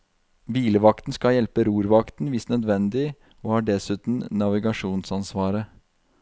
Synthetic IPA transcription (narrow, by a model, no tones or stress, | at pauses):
ʋiːləʋɑkt̪n̩skɑjɛlpəɾuːɾʋɑkt̪n̩ʋɪsnœd̪ʋɛnd̪ɪ | oːhɑːɖɛsʉːt̪n̩nɑʋɪɡɑʂuːnsɑnsʋɑːɾə